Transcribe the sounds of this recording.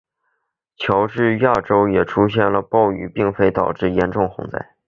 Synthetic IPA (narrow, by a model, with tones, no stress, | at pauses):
t͡ɕʰjɑ˧˥ʊʈ͡ʂɻ̩˥˧ja˥˩ʈ͡ʂo˥ʊjɛ˨˩ʈ͡ʂʰu˥ɕjɛ˥˩nlə˩pɑ˥˩ʊy̰˨˩pi˥˩ŋfe˥ɪt̪ɑ˨˩ʊʈ͡ʂɻ̩˥˩jɛ˧˥nʈ͡ʂʊ˥˩ŋxʊ̰˧˥ŋt͡sa̰˥˩ɪ